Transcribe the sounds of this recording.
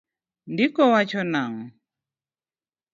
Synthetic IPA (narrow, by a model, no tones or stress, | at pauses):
ndikɔwat͡ʃɔnaŋ